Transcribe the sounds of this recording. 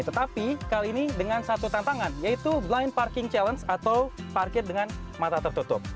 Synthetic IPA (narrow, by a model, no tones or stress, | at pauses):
t̪ət̪apikaliːnidəŋansat̪ut̪ant̪aŋanjait̪ublajn̚parkɪŋt͡ʃɛlənsat̪awparkɪrdəŋan | mat̪at̪ərt̪ut̪ʊp̚